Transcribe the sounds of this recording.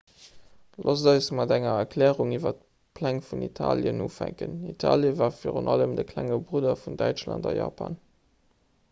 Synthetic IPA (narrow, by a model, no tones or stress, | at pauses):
lʔozdɑɪsmɑdæŋɐɛkʰlɛːʁuŋivɐt | pʰlæŋfunitʰaːljənuːfæŋkənitʰaːljəvaːfiːʁunʔɑləmdəkʰlæŋəbʁudɐfundæɪt͡ʃlɑndɑjɑ̰ːpʰan